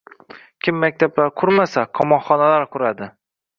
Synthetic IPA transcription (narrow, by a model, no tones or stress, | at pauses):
kʲʰɪmːak̚ʲt̪ʰablaɾqʰʊɾmasaqʰɒmɒnχɒnalaɾqʰʊɾad̪ɪ